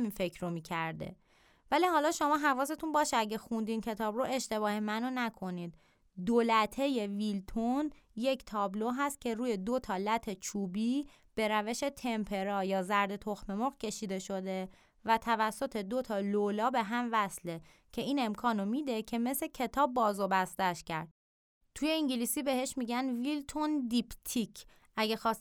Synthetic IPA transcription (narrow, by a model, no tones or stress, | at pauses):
minfe̞kʰɾomiːcʰæɾd̪ḛ | væliːhɒːlɒːʃo̞mɒːɦævɒːse̞t̪ʰunbɒːʃeæɟexund̪iːncʰe̞t̪ʰɒːbɾoʔe̞ʃt̪e̞βɒːhemænonækʰo̞niːd̪ | d̪olæt̪ʰe̞je̞vilt̪ʰonje̞cʰt̪ʰɒːbloɦæst̪̚cʰe̞ɾuːje̞d̪o̞t̪ʰɒːlæt̪ʰe̞t͡ʃʰuːbiː | b̥e̞ɾæve̞ʃe̞t̪ʰe̞mpʰe̞ɾɒːjɒːzæɾd̪e̞t̪ʰoxme̞moɣcʰe̞ʃiːd̪e̞ʃo̞d̪e̞ | væt̪ʰævæsːo̞t̪ʰe̞d̪o̞t̪ʰɒːlolɒːbe̞ɦæmvæsle̞ | cʰe̞iːne̞mkʰɒːnomid̪e̞cʰe̞me̞se̞cʰe̞t̪ʰɒːbːɒːzobæst̪æʃcʰæɾd̪̥ | t̪ʰuje̞iɲɟilisiːbe̞ɦe̞ʃmiɟænvilt̪ʰond̪ipt̪ʰicʰ | ʔæɟexɒːs